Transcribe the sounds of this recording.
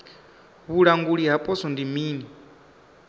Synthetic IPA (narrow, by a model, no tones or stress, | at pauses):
βuɺaŋɡuɺiɦapʼɔsɔndimiːni